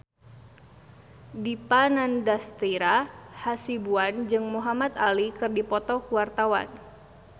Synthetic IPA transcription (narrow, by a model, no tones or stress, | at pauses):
dipanandast̪iɾahasibuand͡ʒɨŋmuɦamat̪alikɨrdipɔt̪ɔkuwart̪awa̰n